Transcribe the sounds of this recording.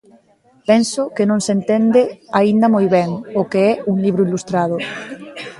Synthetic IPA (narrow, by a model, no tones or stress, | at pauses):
pɛnsʊkenõŋsent̪end̪ɪaind̪amojβɛŋʊkeɛuŋliβɾʊilust̪ɾað̞ʊ